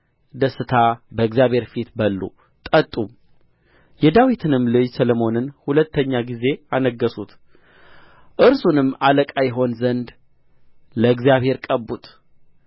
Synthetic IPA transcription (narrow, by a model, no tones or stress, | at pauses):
d̪əsːɨt̪ʰabəɨɡzjaβhe̞ɾfit̪bəlːṵ | t̪ʼət̪ʼːum | jɛd̪awit̪ʰɨnɨmlɨd͡ʒsəlomo̞nɨnhulət̪ʰːəɲːaɡize̞anəɡːəsut̪ | ʔɨɾsunɨmːaləkʼajɛɦo̞nzənd̪ | ləɨɡzjaβhe̞ɾkʼəbut̪